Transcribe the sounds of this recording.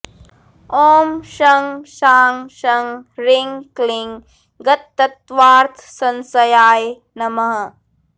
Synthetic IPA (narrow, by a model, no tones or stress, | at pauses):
oːmʃɐŋʃaːŋʃɐŋɾiŋkliŋ | ɡɐt̪ːɐt̪ʋaːɾt̪ʰsɐnsɐjaːj | nɐmɐɦɐ